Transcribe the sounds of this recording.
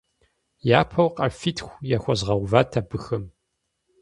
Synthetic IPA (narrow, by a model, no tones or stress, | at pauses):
jaːpʰɐwqʼɐrfitʰxʷjaːxʷɐzʁɐwvaːtʰabɨxɨm